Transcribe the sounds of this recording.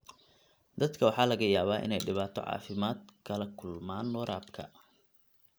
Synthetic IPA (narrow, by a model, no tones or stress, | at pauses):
d̪̥ɐd̪kʰɐwɑħɑːlɐɣɐjaːβaːʔɪ̰nɛjɖɪβaːt̪ʰɔ̰ʕɑ̰ːfɪmaːd̪kʰɐlɐkʰʊlmaːnːɔːɾʔaːbkʰɐ̰